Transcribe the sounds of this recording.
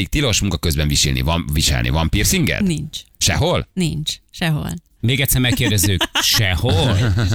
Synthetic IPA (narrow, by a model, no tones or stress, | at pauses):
ik̚t̪iloʃmuŋkɒkøzbɛɱviʃḭlnḭvɒnviʃɛ̰lnʔḭvɒmpirsiŋɡɛ̰d̪nint͡ʃʃɛ̰ɦolnint͡ʃʃɛɦo̰l | meːɡɛt̪sːɛrmɛkːeːrdɛzyːkʃɛhol